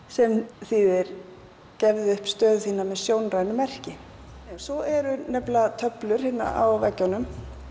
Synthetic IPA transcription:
sɛmθiðɪɾ | cɛvðɪʏhpst̪œːðθiːnamɛðsjoːwnraːjnʏmːɛr̥cɪ | ɛnsɔɛɾʏnɛplat̪ʰœplʏɾ̥hɪnːa̰ʔa̰wvɛ̰cːanːʏm

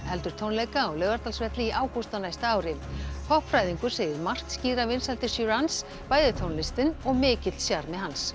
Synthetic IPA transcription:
hɛlt̪ʏɾ̥t̪ʰownlejkaɔwlœːvaɾt̪alsvɛht̪lɪiʔaːwkust̪anajst̪aaːwɾɪkʰɔhpfɾajðiŋkʏɾ̥seːjðɪɾmar̥t̪sciːɾavɪnsalt̪ɪ̥syɾans | paːjðʏt̪ʰownlɪst̪ɪnɔɣmɪːcɪt̪sjaɾmɪhans

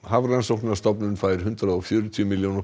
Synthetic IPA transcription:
havrajnsowknḁst̪ɔpnʏnfaːjɪɾ̥ɦʏnt̪ɾaɔfjœːɾʏt̪ʰjʏmiljowna

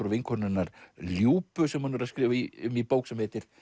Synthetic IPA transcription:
ɾʏvɪnkʰɔnɪnːaɾ̥ljuːpʏsɛmːœnʏɾaðskɾɪːviʏmipoːwksɛmheːt̪ɪɾ̥

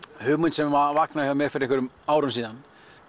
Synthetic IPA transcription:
hʏːmʏnsɛmvavaknahavamjɛɾ̥fɪɾɪeŋkvʏɾʏm | aːwɾʏmsiːðan

